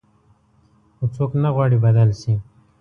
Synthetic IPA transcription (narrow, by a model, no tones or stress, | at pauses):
ut͡sʰoːknɐɣwaːɽibɐd̪əlsi